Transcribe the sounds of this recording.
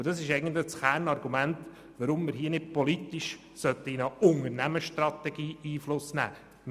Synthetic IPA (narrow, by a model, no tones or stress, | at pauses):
əd̥ɑsɪʃɛɪɡən̩tləsxærnɑɾɡ̥umænt | ʋəɾʊmːɪɾɦiːənɪd̚pɔlit̪iʃ | sœt̪əinəʊŋəɾnæməʃtɾɑt̪ɛɡ̥iːiːflʊsnæ̰ː | m